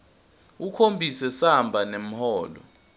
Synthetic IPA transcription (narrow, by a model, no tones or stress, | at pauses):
ukʰombʱisɛsambʱanem̩hɔːlɔ̰